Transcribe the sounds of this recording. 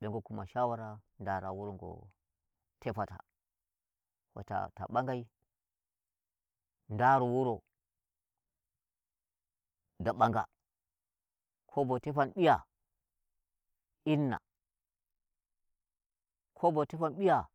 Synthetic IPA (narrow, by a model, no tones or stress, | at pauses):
ɓeŋɡokumaʃawaɾa | ndaɾawuɾoŋɡo̰ | tepata̰ | wo̰ta̰ta̰ɓaŋɡai | ndaɾowuɾo | daɓaŋɡa̰ | kʰobotepanɓija̰ | inːa̰ | kʰobotepanɓija